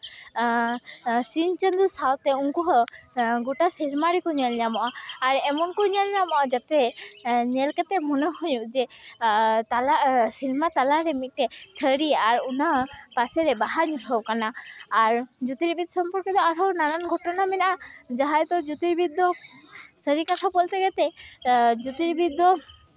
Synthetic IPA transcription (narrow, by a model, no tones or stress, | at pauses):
sint͡ʃənd̪usawt̪ɛuŋkɔɦɔɡuʈasilmaɾɛkɔɲɛlɲamɔʔaːɾɛmɔnkɔɲəlɲamɔʔad͡ʒat̪ɛɲɛlkat̪ɛmɔnəɦujuʔd͡ʒɛ | t̪alasilmat̪alaɾɛmit̪̚ˀʈɛt̪ʰəɾiaɾunapasɛɾɛbaɦaɲuʈʰɔwkanaːɾd͡ʒut̪iɾbid̪̚sɔmpɔɾkɛt̪ɔaɾɔwnananɡʱɔʈɔnamɛnaʔad͡ʒaɦajt̪ɔd͡ʒut̪iɾbid̪ːɔsəɾikat̪ʰapɔlt̪ɛɡɛt̪ɛ | d͡ʒut̪iɾbid̪ːɔ